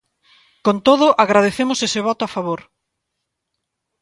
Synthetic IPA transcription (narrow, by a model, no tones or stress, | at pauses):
kont̪oðʊʔaɣɾað̞eθemʊsesɪβ̞ɔt̪ʊafaβoɾ